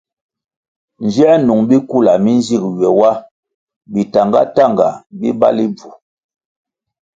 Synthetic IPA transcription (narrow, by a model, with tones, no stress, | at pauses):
n˨d͡ʒɛ˦nu˨ŋbi˦ku˦˨la˨mi˦n˦zi˦˨kɥɛ˨wa˦ | bi˨ta˨ŋɡa̰˦ta˦˨ŋɡa̰˨bi˦ba̰˦li˦b͡vu˨